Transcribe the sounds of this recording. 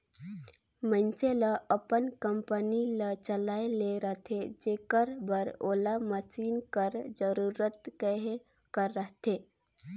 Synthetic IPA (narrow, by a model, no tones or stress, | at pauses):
mənseləəpənkəmpənilət͡ʃəlaeleɾəɦt̪ʰed͡ʒekəɾbəɾo̰laməsiːnkəɾd͡ʒəɾuɾət̪kəɦe | kəɾːəɦt̪ʰe